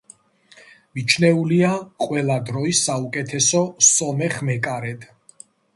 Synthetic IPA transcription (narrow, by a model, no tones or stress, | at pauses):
mit͡ʃʰnɛuliaqʼwɛlad̪ɾɔisːaukʼɛt̪ʰɛsɔsɔmɛχmɛkʼaɾɛd̪